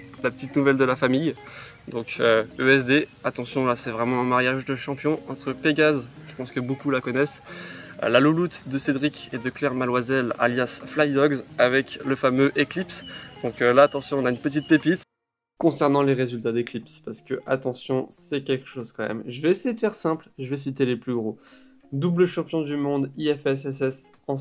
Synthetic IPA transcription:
lapət̪it̪nuvɛld̪əlafamij | d̪ɔ̃køøɛsd̪eat̪ɑ̃sjɔ̃lasɛvʁɛmɑ̃ɛ̃maʁjaʒd̪əʃɑ̃pjɔ̃ɑ̃t̪χəpeɡʲazʒ̥əpɑ̃skəbokulakɔnɛs | lalulut̪d̪əsed̪ʁikʲed̪əklɛʁmalwazɛla̰ljasflajd̪ɔɡzavɛkləfamøʔeklipsd̪̥ɔ̃klaːt̪ɑ̃sjɔ̃ːnaynpət̪̬it̪̚pepit̪ | kɔ̃sɛʁnɑ̃leʁezylt̪ad̪eklipspaʁsə̥kəʔat̪ɑ̃sjɔ̃sɛkʲɛlkə̥ʃozkɑ̃mɛ̰mʒəvɛesejed̪əfɛʁsɛ̃plʒəvɛs̬it̪eleplyɡʁo | d̪ubləʃɑ̃pjɔ̃d̪ymɔ̃d̪iɛfɛsɛsɛs | ɑ̃

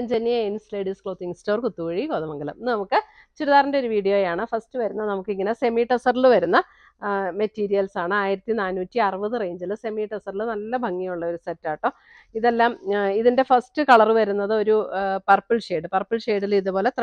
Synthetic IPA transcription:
ɲd͡ʑenːiɐeinsleːɖiskɭoːt̪ːiŋstoːrkut̪ːukuɻikoːðɐmɐŋɡɐlṵmnɐmukːɨ | t͡ɕuɾuðaːɾndeo̞ɾuʋiːɽijo̞ːjaːɳɨfɐrstɨʋɐɾunːɐnɐmukːiŋːɐne̞se̞miːʈːɐsɐrilʋɐɾunːɐ | metːiːɾijɐlsaːɳɨaːjiɾɐt̪ːinaːnuːtːiɐrɨʋɐðɨrejːɲd͡ʑilɨse̞miːʈːɐsɐrilɨnɐlːɐbʱɐŋːijuɭːɐo̞ɾusetːaːʈːoː | iðelːaːmiðinde̞fɐrstɨkɐɭɐrɨʋɐɾun̪ːɐðɨo̞ɾupɐrpɨlʂeːɖɨpɐrpɨlʂe̞ːɽiliðupo̞ːle̞t̪rɐ

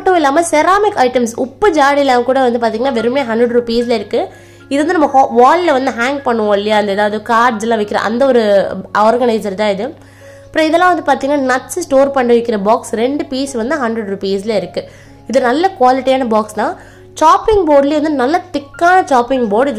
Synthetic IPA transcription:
ʈːɯ̃ɪlːaːmɐsɛɾaːmɪkːɐɪʈɐmsʊpːɯd͡ʒaːɽɪlãːmkuːɽɐʋɐnd̪ɯpaːɾt̪iːŋɡɐnːaːʋɛɾɯmeːɦɐndɾɐɖɾupiːsɪlɐɪɾɯkːɯ | ɪðɯʋɐndɯnɐmːɐʋaːllɐʋɐnd̪ɯɦaːŋɡ̚pɐɳːɯʋõːɪlːɪjaːɐnd̪ɐɛːðaːʋɐðɯkaːɖd͡ʒɛlːãːʋɐɪkːɪɾɐ̰ʔɐ̰nd̪ɐɔɾɯʔɔːɾɡɐnɐɪsɐɾt̪ãːɪðɯ | ɐpɪɾõːɪðɛlːãːʋɐnd̪ɯpaːɾt̪iŋɡɐnːaːnɐʈːssʈoːɾpɐɳːɯʋɐɪkːɪɾɐbaːksɾɛɳɖɯpiːsʋɐnd̪ɯɦɐndɾɛɽɾupiːslɐɪɾɯkːɯ | ɪðɯnɐlːɐkʋaːlɪʈːijaːnɐbaːkst̪ãː | t͡ʃaːpɪŋɡboːɖɪleːʋɐnd̪ɯnɐlːɐt̪ɪkːaːnɐt͡ʃaːpɪŋɡboːɾɖɪð

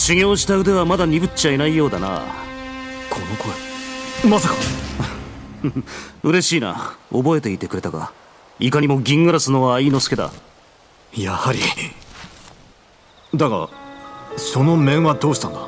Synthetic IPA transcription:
ɕiŋʲo̞ːɕ̬i̥t̪aɯ̟d̪e̞βamad̪aɲ̟ibɯ̟t͡ɕainaijo̞ːd̪ana̰ | kʰonokʰoemasaka | ɯ̟ɾe̞ɕiːna̰obo̞e̞t̪e̞it̪e̞kɯ̟ɾe̞t̪aɡa̰ | ikaɲ̟imo̞ɡʲĩŋɡɯɾasɨno̞βaiːno̞sɨ̥ke̞d̪a̰ | jahaɾʲi | d̪aka̰ | so̞no̞mẽ̞ɰ̃βad̪o̞ːɕi̥t̪ãnd̪a

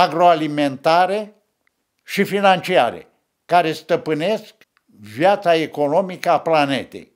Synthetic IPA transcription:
aɡɾo̞aliment̪aɾe | ʃifinant͡ʃia̰ɾḛ | kaɾe̞st̪əpɨne̞sk | vjat̪saeko̞no̞mikəaplanḛt̪ḛj

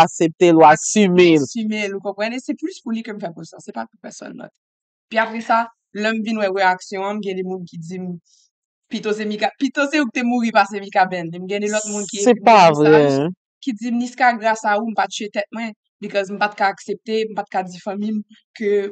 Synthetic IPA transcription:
aksep̚t̪elwasymelsymelukɔ̃pʁɑ̃nesɛplyspulikøm̩fɛpusa̰sɛpapupɛsɔ̰nːɔ̰t̪ | piapʁɛsa | lœm̩vinwɛʁeaksjɔ̃m̩ɡɛ̃d̪emũnkid͡zim | pit̪os̬emikapit̪oseuk̚t̪emuʁipasemĩkabɛ̃nim̩ɡɛ̃d̪elɔt̪̚mũnkiesɛpavʁɛ | kid͡zimniskaɡʁasaum̩pat͡ʃyet̪ɛt̪̚mwɛ̃ | bikɔzm̩pat̪̚kaːksep̚t̪em̩pat̪̚kad͡zifãmĩm | kø

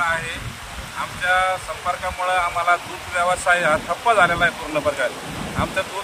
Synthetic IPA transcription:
aɦe | amt͡ɕjasəmpəɾkamuɭeam̤alad̪uːd̪ʋjaʋasajat̪ʰəpːəd͡zʱalalaɦepuɾɳəpəɾkat̪ | amt͡ɕad̪u

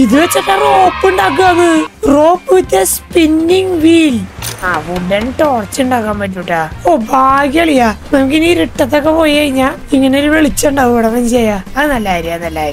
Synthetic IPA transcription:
iðuʋet͡ɕːokːeroːpːɨɳɖakːuɐnːɨroːpːɨit̪ːespinːiŋʋiːlaːʋuɖenʈort͡ɕːɨɳɖaːkːaːmbɐt̬ːuʈːaoːbʱaːɡjɐɭijanɐmuk̬ʲiniːɾiʈːɐt̪̬ːo̞kːe̞po̞ːjikɐɻiɲːaː | iŋːɐneilʋeɭit͡ɕːɐɳɖaðɨpɐɽɐmɐnt͡ɕe̞jːaɐðɨnɐlːaːiɾuanɐlːaːjiɾu

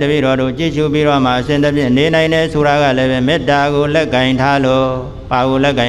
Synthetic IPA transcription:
təbḭɾɔd̪o̰t͡ɕḭʃup̬iɾɔm̥aʔəsɪ̃t̪əpʰjɪ̰̃nenãɪ̃ndɛsʰoɾaɡä̰lɛbɛmɪtːaɡolɛkːãɪ̃ntʰalo | paɣolɛʔkːã

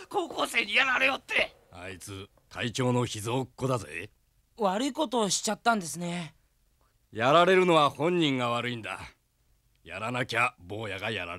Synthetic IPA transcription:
ko̞ːko̞ːse̞ːɲ̟ijanaɾɯjot̪ːe | a̰it͡sɨ | kʰait͡ɕo̞ːno̞çizoːkːo̞d̪azɨe | βaɾɯ̟iko̞t̪o̞ːɕi̥t͡ɕat̪ːãnd̪e̞sɨne̞ | jaɾaɾe̞ɾɯ̟no̞βahõ̞ɲ̟ːĩŋɡaβaɾɯ̟ĩnd̪a̰ | jaɾanakʲabo̞ːjaɡajaɾa̰

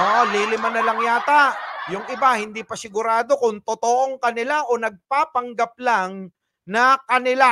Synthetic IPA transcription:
ʔoːʔoliːlɪmɐnɐlɐŋjaːt̪ajʊŋɪbahɪnd̪iːpɐsɪɡʊɾaːd̪o̞kʊŋt̪ot̪oʔoŋkɐnɪlaʔo̞nɐɡ̚paːpɐŋɡɐp̚laŋ | nɐkɐnɪla

